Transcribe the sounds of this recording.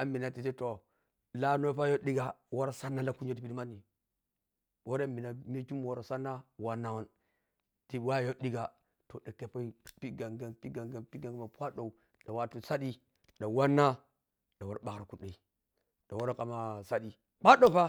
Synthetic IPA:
a˨mi˨na˨ti˨te˦to˨ | la˦no˦pa˦jo˦di˦ɡa˨wo˦ɾa˦sa˦nːa˦la˦ku˦n˦d͡ʒo˦ti˨pi˦di˦ma˦nːi˨ | wo˦ɾe˦mi˨na˨me˦ku˦m˨wo˨ɾa˨sa˦nːa˦wa˦nːa˦wa˦n | ti˨wa˦˨jo˦ɗi˦ɡa˨ | to˨da˨ke˦po˦i˦pi˦ɡa˨ɡa˨pi˦ɡa˨ɡa˨pi˦ɡa˨ŋɡa˦ma˨pʷa˦do˨u˨ | da˨wa˦˨tu˨sa˦di˦ | ɗa˨wa˦nːa˦ | ɗa˨wo˨ɾa˨ɓa˨kɾa˨ku˦ɗe˨i˨ | da˨wo˦ɾa˦kʼa˨ma˨sa˦di˦ | k͡pa˦ɗo˦˨pa˦

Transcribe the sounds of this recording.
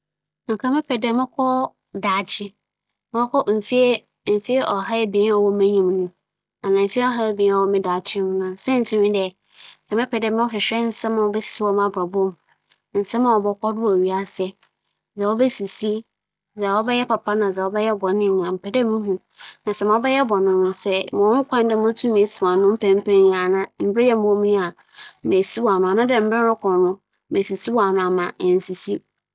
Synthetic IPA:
kʰã˨mɪ̃˦pʰɛ˨dɛ˨˦mɪ̃˦kʰɔ˦ | daː˨t͡ɕʰɪ˦ | m˦ɔ˦kʰɔ˦m̩˨fi˦e˦ | m̩˨fi˦e˦ʔɔ˨ɦa˦ɛ˦bĩ˨˦ɔ˨wɔ˦mɛ̃˦ɲĩ˨m˨nʊ̃˨ | a˨nã˨m̩˨fi˦e˦ɔ˦ɦa˦ɛ˦bĩ˨˦ɔ˨wɔ˦mɪ̃˦da˨t͡ɕʰɪ˦hʊ̃˦nã˨sɛ̃˦n̩˨tʰĩ˦mɪ̃˦dɛ˨ | kʰã˨mɪ̃˦pʰɛ˨dɛ˦˨mɪ̃˦ɔ˦fɪ˨ɕᶣɛ˦n̩˦sɛ̃˦mã˨wɔ˨bɛ˦si̥˨si˦wɔ˦mã˦˨bɾa˨bɔ˦m | n̩˨sɛ̃˦mã˨wɔ˨bɔ˨kʰɔ˦dʊ˦wɔ˨ɥi˨a˦sɛ˦˨ | zɛ˨wɔ˦be˦si˨si˦ | zɛ˨wɔ˦bɛ˦jɛ˦pa˨pʰa˦nã˨d͡zɛ˨wɔ˦bɛ˦jɛ˦bɔ˨nɪ̃˦˨ã˨m̩˨pʰɛ˨dɛ˦mũ˦ɦũ˦ | nã˨sɛ˨mã˨ɔ˦bɛ˦jɛ˦bɔ˨nɪ̃˦nʊ̃˦sɛ˦mɔ̃˨˦ʊ˦kʷʰã˦n˦dɛ˦˨m̃˦tʰu˦me˨˦si˨wã˨nʊ̃˦m̩˦pʰæ̃˦m˦pʰɛ̃˦˨a˨nã˦m̩˨˦bɪ˦jɛ˦m˦ɔ̃˦m̃˦a˨ | me˨si˦wɔ˨a˨nʊ̃˨a˨nã˦dɛ˨m̩˦bɛ˦ɾʊ˦kʰʷɔ˨nʊ̃˦ | me˨si˨si˦wɔ˨a˨nʊ̃˨a˨mã˨n̩˨si˨si˦

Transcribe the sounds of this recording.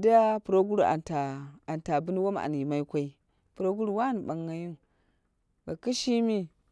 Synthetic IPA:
da˦a˦pu˨ɾo˦ɡu˦ɾu˦˨a̰˨nta˨a˨nta˨bu˦n˦wo˦m˨a̰˨n˨ji˨ma˦i˦kʷa˦i˦ | pu˨ɾo˦ɡu˦ɾu˦wa˦ni˨ɓa˨ŋːa˨ji˦n | ba˨ki˦ʃi˦mi˦

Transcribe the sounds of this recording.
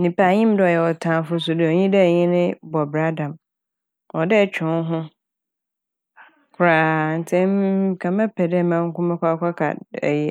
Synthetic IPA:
nĩ˨pa˨ɲɪ̃˦m˦dɔ˦˨jɛ˨wɔ˨tʰãː˨fʊ˦s̬ʊ˨dɪ˨ɔ˨ɲĩ˦dɛ˦˨ɲɪ̃˦nɪ̃˦bɔ˨bɾa˦dã˨m | ɔ˨dɪ˦t͡ɕʰᶣʊ̃˨˦n˦ɦʊ̃˦ | kʰʊ˨ɾaː˨n̩˨tʰɛ̃˦m˦kʰã˨mɛ̃˦pʰɛ˨dɛ˦˨mã˦ŋ̩˦kʊ̃˦mɛ̃˦kʷa˦kʷʰa˦kʰa̰˨ɛ̰˨jɛ˨

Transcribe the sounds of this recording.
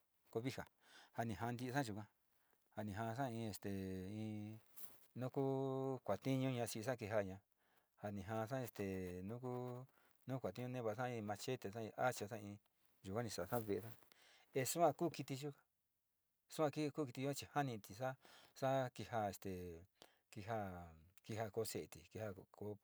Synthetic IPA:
ko˧βi˦ha˨ | ha˧nĩ˨ɦã˧nd̪i˧sã˦ʒu˧kʷã˧ | ha˧nĩ˨ɦã˧s̬ã˦˧ĩ˧e˧˨st̪e˨ĩ˧ | nũ˦ku˦kʷa˨t̪i˦ɲũ˦ɲã˧si˧a˦k̬i˧ɦa˧ɲã˧ | ha˧nĩ˨ɦã˧s̬ã˦e˧˨st̪e˨nũ˦ku˦ | nũː˦kʷa˨t̪i˦ɲũ˧nẽ˦βa˧˨˧sã˦ĩ˧mã˧t͡ʃe˦t̪e˨sã˦ĩ˧ʔa˦t͡ʃa˧sã˦ĩ˧ | ʒu˨kʷã˦nĩ˧sa˨sã˦βe˧sa˦ | e˧su˦ã˧kuː˦ki˧t̪i˧ʒu˦ka˧ | su˦ã˧ki˦˧kuː˦ki˧t̪i˧ʒu˦ã˦˧t͡ʃi˧ha˦nĩ˧t̪i˨˧sa˦sa˦ki˧ha˧e˨st̪e˨ | ki˧ɦa˧ki˧ha˧ko˧˦se˧˨t̪i˨ki˧ha˧ko˧˦

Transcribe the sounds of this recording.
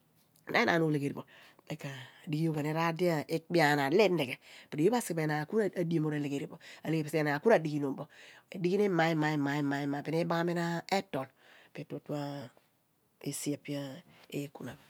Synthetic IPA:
na̰˦i˦nʔa̰˨no˦˨le˨ɡe˨ɾi˨bo˨ | be˦kaː˨di˦ɡi˦o˦ka˨ne˦ɾa˦di˦a˦˨ʔe˦kbi˦a˨na˨le˦nde˨ɡe˨pi˨ɾi˨ji˦a˦sbe˨na˨ku˦ɾa˨di˦e˦˨mo˨ɾa˨le˨ɡe˨ɾi˨bo˨a˨le˨pi˨sna˨ku˦ɾa˨di˦ɡi˦no˨mbo˨ḛ˨di˦ɡi˦ne˦ma˨˦ma˨i˦ma˨i˦ma˨i˦ma˨pi˨ne˦ba˦ŋa˦me˦na˦e˦to˨l | pe˨to˦tu˦a˦ | e˦si˦a˨pi˦a˦e˦ku˨na˨b

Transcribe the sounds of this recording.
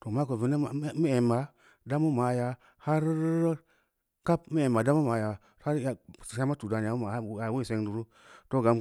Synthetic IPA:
to˨ma˦ko˨vi˨na˦˨˦mi˦e˨ma˨ | da˦mu˦ma˨ja˨ | ha˦ɾ | ka˦p̚mi˦e˨ma˨da˦mu˦ma˨ja˨ | ha˦ɾja˨a˦m˦a˦tu˨da˨n˨a˨˦ma˨˦˨a˨wi˦˨se˦ŋdu˨ɾu˦ | to˦ɡa˨m

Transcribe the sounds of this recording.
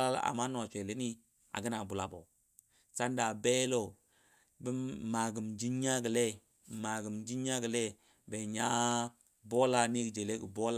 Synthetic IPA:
a˦l̰a̰˨ma˦no˨t͡ʃʷe˨le˦ni˦ | a̰˨ɡə˦na˨bu˨la˨bo̰˨ | sa˦nda˨be˦lo˦˨ | bə˦ma˨ɡə˨md͡ʒi˦ɲː˦a˦ɡə˨le˦˨ | ma˨ɡə˨md͡ʒi˦ɲ˦a˦ɡə˨le˦ | be˨ɲa˦ | bo˦la˦ni˦ɡd͡ʒe˨le˦ɡə˨bo˦la˦

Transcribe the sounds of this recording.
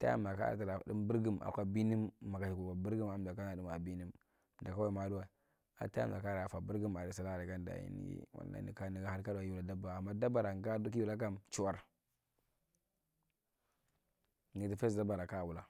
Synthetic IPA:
ta̰˦a̰˨m˨da˨ka̰˦˨ti˨ɾa˨di˦mbi˦ɾɡi˦ma̰˨kʷa˦bi˦ni˦mːa˨ka˨t͡ʃi˨ku˨ka˨bi˦ɾɡi˦ma˨m˨da˨ka˦na˨di˦ma˨bi˦ni˦m | da˨ka˦wa˦˨ma˨du˦wa˨ | a̰˨ta˦a̰˦˨mda˨ka˦ɾa˨a˨fa˨bu˦ɾɡi˦ma˨i˦sa˨la˦˨ɾi˨ka˦nda̰˨ḭ˦nḭ˦ḭ˦wa̰˨nːa̰˦nḭ˨ka˦ni˨ɡa˦ha˦ɾka˦da˨ju˦u˨la˨da˦ba˨a˨mːa˦da˦ba˨ɾa˨ŋ˨ɡa˦du˦ki˦u˦la˦k̬a˦mt͡ʃu˦wa˦ɾ | ɡi˨ti˦fe˦sda˦ba˨ɾa˨ka˦˨wu˨la˦

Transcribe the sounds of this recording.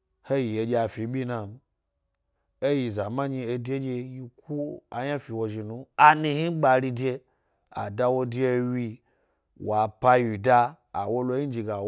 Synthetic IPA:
he˦ji˨e˧d͡ʒe˧a˨fi˨˦ɓʲi˦na˧m˦ | e˦ji˨za˨ma˦ɲi˧e˧de˦d͡ʒe˧ji˧ku˦a˨ɲa˦fi˨wo˨˧ʒi˨nu˧a˨ni˧hi˦ɡ͡ba˧ɾi˧de˧ | a̰˨da˧wo˧di˦e˧wi˧ | wa˨pa˧ji˨da̰ː˧˨ | wo˧lo˧˦i˦d͡ʒi˧˨ɡa˨

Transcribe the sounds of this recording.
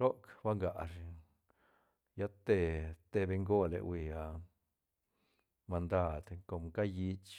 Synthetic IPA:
ɾo˦kba˦ŋɡa˨ɾ | ja˦t̪e˧t̪e˧be˧ŋɡo˦lḛ˨wi˧a˧ | ma˧nd̪a˦d̪ko˧˨mka˦ji˧˦t͡ʃ

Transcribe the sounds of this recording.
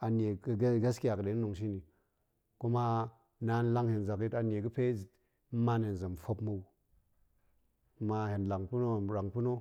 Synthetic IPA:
a˨ne˨ɡɡa˦ski˦ja˨kə˨de˨˦no˨ŋʃ̬i˦ni˨ | ko˦ma˦ | na˨˦n˦la˦ŋhe˨nza˨ki˦ta˨n˨e˨kə˦pe˦˨˦ | ma˦ne˨n˨za˨mfo˦pmo˦˨w | ma˧he˨nla˨ŋpu˦no˦˨ɾa˨ŋpu˦no˦

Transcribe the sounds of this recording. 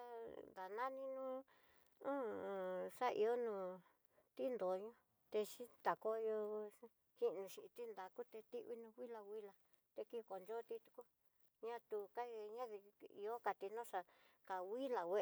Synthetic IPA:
a˦ða˨nã˦nĩ˧nũ˦ | ũ˦˨ʂa˦ʔḭ˧o˦nũ˧ | t̪i˦nd̪o˨˧ɲõ˦ | t̪e˧ʃi˦t̪a˨ko˦jo˧ | ki˦˧nũ˧ʃi˧ʔt̪i˦nd̪a˨ku˦t̪e˧t̪i˦ʔβi˦nũ˧wi˦la˧wi˦la˨ | t̪e˧ki˦˧ko˨nd͡ʒo˦˧t̪i˧t̪u̥˧ku˦ | ɲã˦t̪u˧ka˦˧ɲã˦ði˧ḭ˧o˦ka˧t̪i˧nõ˦ʂa˧ka˨wi˦la˨we˧

